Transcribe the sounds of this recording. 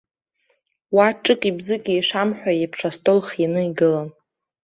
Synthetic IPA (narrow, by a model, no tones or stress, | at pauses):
waʈ͡ʂʼɨkʼibzɨkʲʼiiʂamħᶣʷajipʰʂastʼolχjanɨiɡɨlan